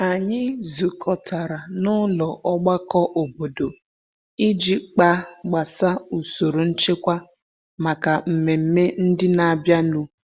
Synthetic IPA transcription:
a˨ɲɪ˦zu˨kʰɔ˨tʰa˨ɾa˨nʊ˦lɔ˨ʔɔ˦ɡ͡ba˦kɔ˦ʔo˨bo˨do˨ | i˦d͡ʒi˦k͡pa˦˨ɡ͡ba˨sa˦u˨so˨ɾo˨n̩˦t͡ʃe˦kʷa˦ | ma˨ka˨m̩˨me˨m̩˦me˦n̩˦dɪ˦na˨a˨bja˦nu˦

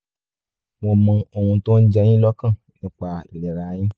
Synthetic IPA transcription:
w̃ɔ̃˧mã˧o˨hũ˧to˦n̩˦d͡ʒɛ˧j̃ĩ˦lɔ˦kã˦˨ | nĩ˨˦k͡pa˧i˨lɛ˨ɾaː˨˦j̃ĩ˦

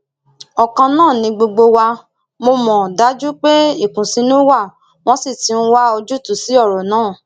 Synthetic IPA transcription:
ɔ˨kã˧nãː˦˨nĩ˧ɡ͡bo˧ɡ͡bo˧wa˧ | mo˧mɔ̃˨da˨˦d͡ʒu˦k͡pe˦i˦˨kũ˨si˧˦nũ˦wa˦˨ | w̃ɔ̃˦si˦˨ti˧˦n̩˦wa˦o˧d͡ʒu˦tu˨si˨˦ɔ˦˨ɾɔ˨nãː˦˨

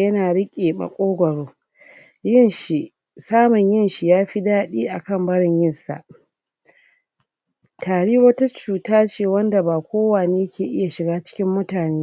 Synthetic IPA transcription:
jɐ˦naː˨ɽɪ˦kʲʼeː˨mɐ̰˨kʷʼoː˦ɡʷɐ˨ɽoː˦ | jɪ˦nʃi˨ʔ | saː˦mʊ˨ɲjɪ˦nʃi˨jaː˦ɸi˦daː˦ɗiː˦ʔa˨kɐ˦mbɐ˦ɽɪ˨ɲjɪ˦˨nsa̰˨ʔ | tʰaː˨ɽiː˦wɐ˦ta˦t͡ʃuː˨taː˦t͡ʃeː˨wɐ˦nda˨baː˨kʷoː˦waː˨neː˦jkʲʰeː˨ʔɪ˦ja˨ʃɪ˨ɡaː˦t͡ʃɪ̥˦kʲɪ˦mːʊ˦taː˨neː˦

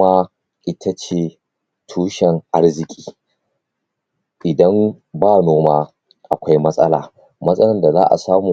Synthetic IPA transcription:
aː˦ | ʔɪ˦tʰa˦t͡ʃeː˨ | tʰuː˦ʃɛ˨ŋʔa˦rzɪ˨kʲʼi̥ː˨ | ʔɪ˨dɐ˦mbaː˦noː˦maː˦ | ʔa˨kʷa˦jmɐ˦sʼɐ˦la̰ː˨ | mɐ˦sʼɐ˦lɐ˨nda˨za̰ː˦ʔa̰˨saː˦muː˨

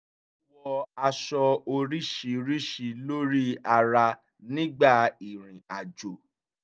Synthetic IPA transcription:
wɔ˧a˧ʃɔ˧o˧ɾi˦ʃi˨˦ɾi˦ʃi˧˦lo˦ɾi˦a˧ɾa˧ | nĩ˦ɡ͡ba˦˨i˨ɾ̃ĩ˨a˨d͡ʒo˨

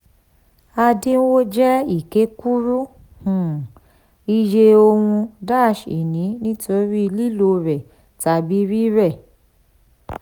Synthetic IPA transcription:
a˧dĩ˦n̩˦wo˦d͡ʒɛ˦i˦˨ke˨˦ku˦ɾu˦ | hũ˨ | i˧d͡ʒe˧o˧wũ˧da˦˨ʃḭ˨nĩ˨˦nĩ˦to˦ɾi˦˧li˦lo˧ɾɛ˨ | ta˧˨bi˨˦ɾi˦ɾɛ˦˨

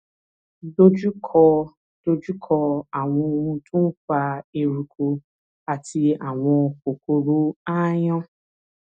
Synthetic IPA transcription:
do˦d͡ʒu˦kʰɔ˧ | d̥o˧d͡ʒu˦kʰɔ˧a˨w̃ɔ̃˧o˧ũ˧tũ˦fa˧e˧ɾu˧kʰo˧ | a˨tʰi˧a˨w̃ɔ̃˧ko˨ko˧ɾo˧a˦j̃ɔ̃˦

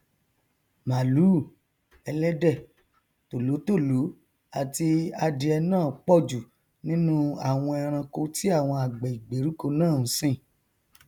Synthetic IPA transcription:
ma˨lu˨˦˨ | ɛ˧lɛ˦dɛ˦˨ | to˨lo˨˦to˦˨lu˨˦ | a˨ti˧a˧di˧ɛ˧nãː˦˨k͡pɔ˦˨d͡ʒu˨ | nĩ˦nũ˦a̰˦˨w̃ɔ̃˧ɛ˧ɾ̃ã˧ko˧ti˦a˦˨w̃ɔ̃˧a˨ɡ͡bɛ˨i˨ɡ͡be˨˦ɾu˦ko˧nãː˦˨ñ̩˨˦sĩ˦˨

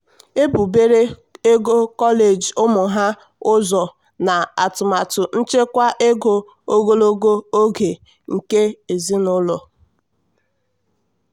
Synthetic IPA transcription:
e˦bu˨be˦ɾe˦e˦ɡo˦kɔ˦le˨d͡ʒʊ˦mʊ˨ɦa˦ | ʊ˦zɔ˨ | na˨a˨tʊ˨ma˨tʊ˨n̩˦t͡ʃe˦kʷa˦ʔe˦ɡo˦ | o˦ɡo˦lo˦ɡo˦o˦ɡe˨ | ŋ̩˨ke˦e˨zi˦nʊ˦lɔ˨

